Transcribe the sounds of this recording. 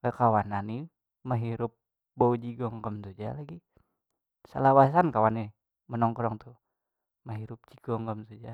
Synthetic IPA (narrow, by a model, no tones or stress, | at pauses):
ɛkawanani | məɦiɾʊp̚ | boud͡ʒiɡɔŋkəmt̪ud͡ʒalaɡi | sə̰lawas̬ankawani | mənɔŋkɔɾɔŋt̪u | maɦiɾʊp̚t͡ʃiɡ̥ɔŋkəmt̪ud͡ʒa